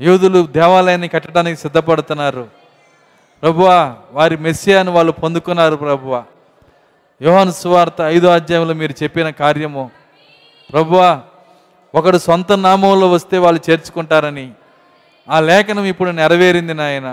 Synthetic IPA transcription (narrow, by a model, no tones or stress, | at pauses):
juːd̪ulud̪ɛːʋaːlɐjnikɐʈːɐʈaːnikisid̪ʱːɐpɐɽut̪unːaːɾu | pɾɐbʱuʋaːʋaːɾimesijaːniʋaːɭːupond̪ukunːaːɾupɾɐbʱuʋaː | jɔːɦɐnɐsuʋaːɾt̪ɐːjd̪oaːd͡ʒjaːjɐmlo̞ːmiːɾut͡ʃepːinɐkaːɾjɐmoː | pɾɐbʱuʋaː | ɔkɐɽusʋɐnt̪ɐnaːmɐmlo̞ːʋɐst̪e̞ːʋaːɭːut͡ʃe̞ːɾt͡ʃu̥kuɳʈaːɾɐni | aːlɛːkɐnɐmipːuɽunɛɾɐʋe̞ːɾind̪inaːjɐnɐ